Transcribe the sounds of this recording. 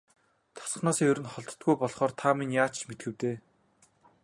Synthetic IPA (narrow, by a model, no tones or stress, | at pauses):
t̪ʰɔ̥s̆χnaːsiːɵɾɘ̆nχɔɮt̪ɞ̥̆t̪̚ɡujpɔɮχɔːrt̪ʰaminjaːt͡ɕt͡ɕmet̪̚ɡɘ̆wt̪eː